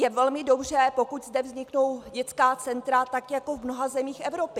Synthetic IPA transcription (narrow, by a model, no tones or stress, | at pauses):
jɛvɛlmɪdo̞br̝ɛpo̞kuczdɛvzɲɪkno̞wɟɛt͡skaːt͡sɛnt̪ɾat̪akjako̞vmnoɦazɛmiːxʔɛvɾo̞pɪ